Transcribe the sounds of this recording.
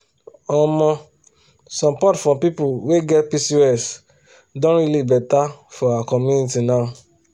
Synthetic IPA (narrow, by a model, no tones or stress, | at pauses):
ɔmɔ̃ | sɔmpɔtfɔ̃pipuweɡɛtpisiɛs | dõɾilibɛtafɔawakɔ̃mũnitinã